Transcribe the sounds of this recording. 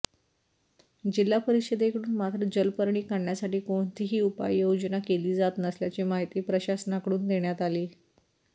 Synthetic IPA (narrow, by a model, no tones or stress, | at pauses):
d͡ʑilːapəɾiɕəd̪ekɽuːnmat̪ɾəd͡ʑəlpəɾɳiːkaɳɳjasaʈiːkoɳt̪iɦiːupa̰jːod͡ʑənakeliːd͡zat̪nəsljat͡ɕimaɦit̪iːpɾəɕasənakɽuːnd̪eɳjat̪aliː